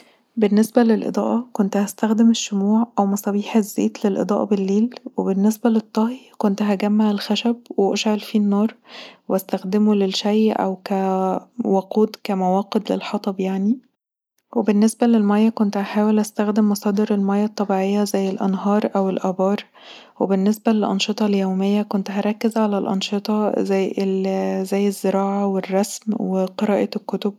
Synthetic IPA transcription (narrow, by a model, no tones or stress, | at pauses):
benːesbælelʔḛd̪ˤɑ̰ːʔɑkont̪hæst̪æxd̪emeʃːomuːʕʔæwmɑsˤɑːbiːħezːeːt̪lelʔḛd̪ˤɑ̰ːʔɑ̰belːeːlwebenːesbælet̪ˤːɑhjkont̪ɦæɡæmːaʕelxæʃæbweʔæʃʕelfiːnːɑːɾˤweæst̪æxd̪emolelʃæjːʔæ̰wkæwɑquːd̪kæmæwɑːqed̪lḛlħɑt̪ˤɑbjaʕni | wʔebenːesbælelmæjːækont̪ʔaħaːwelʔæst̪æxd̪emːɑsˤɑːd̪eɾelmɑːjːɑt̪ˤːɑbiʕejːæzæjːelʔænɦɑːɾˤʔæwelʔæbɑːɾˤ | webenːesbælelʔɑ̰nʃet̪ˤɑljoːmejːækont̪hæɾˤɑkːezʕalælʔɑ̰nʃet̪ˤɑzæj | zæjːezːeɾɑːʕɑwerˤːɑsmweqeɾɑːʔɑkːot̪ob̥̚